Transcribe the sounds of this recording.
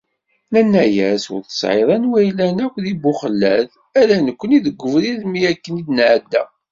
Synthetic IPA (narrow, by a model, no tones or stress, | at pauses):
nænːæjæsʊ̰ɾθə̥sʕḛðˤɑnwæjlænækʷðibːʊχəlːæð | ælænəkʷːəniðəɡʷːəvɾiðmiækːənid̪nʕd̪ːæ